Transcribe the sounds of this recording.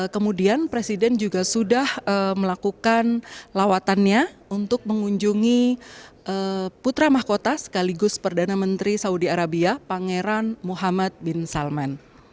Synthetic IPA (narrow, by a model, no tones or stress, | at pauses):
kəmudianpɾesidɛnd͡ʒuɡasudahəməlakukanlawat̪anɲaunt̪ʊk̚məŋuɲd͡ʒuŋiʔəput̪ɾamahkot̪asə̥kaliɡʊspərdanamənt̪ɾisaudiaɾabiapaŋeɾanmuɦamat̪̚bɪnsalman